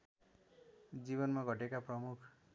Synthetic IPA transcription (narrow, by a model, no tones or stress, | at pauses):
d͡zibʌnmaɡʱʌʈekaprʌmukʰ